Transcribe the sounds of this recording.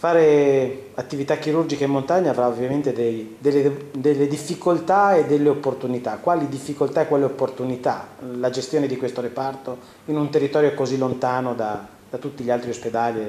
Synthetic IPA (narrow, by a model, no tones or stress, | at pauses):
faːɾeat̪ːivit̪ak̟ːiɾurd͡ʒikaemːont̪aɲːaːvɾaovjament̪ed̪ejd̪elːed̪elːed̪ifːikolt̪aed̪ːelːeopːort̪unit̪akːwaːlid̪ifːikolt̪aekːwaːleopːort̪unit̪alad͡ʒest̪joːned̪ikwest̪oɾepart̪o | inunt̪erːit̪ɔːɾjokozilːont̪aːnod̪a | d̪at̪ut̪ːiʎialt̪ɾiosped̪aːli